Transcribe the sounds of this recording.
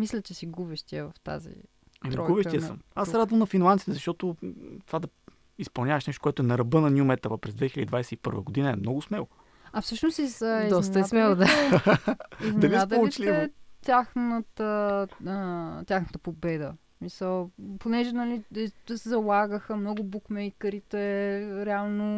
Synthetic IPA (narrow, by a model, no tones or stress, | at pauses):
mislʲɛt͡ʃɛsiɡubɛʃt̪iəvɐft̪a̰zḭ | ɛmiɾɔɡubɛʃiɛssə̰masɾad̪vɐmnɐfinlˠansit̪ɛzɐʃt̪ɔt̪ot̪ovad̪ɐ | ispɐlˠnʲaəʃnɛʃt̪o̥koɔɛt̪ʊɛnɐɾɐbɤnɐnʲiumɛt̪əvəpɾɛzd̪vɛxilʲəd̪ʲid̪vajsɛipɤ̰ɾvə̰ɡod̪inəɛmnɔɡʊsmɛlˠo | ɐfsɤʃnost̪izəizd̪ɔstnəsmɛlˠd̪a | izmd̪ɐnviad̪əit͡ʃt̪ɛt̪ʲaxnət̪ə | t̪ʲaxnət̪əpobɛd̪əsmisəlˠponɛʒɛnɐlisɛzɐlˠaɡəxəmnɔɡʊbukmɛjkəɾit̪ɛɛɾɛalˠno